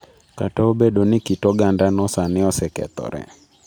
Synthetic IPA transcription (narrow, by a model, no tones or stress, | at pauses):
katɔobeɗonɪkɪtɔɡandanɔsanɪɔsɛkɛ̰t̪ɔ̰ɾɛ̰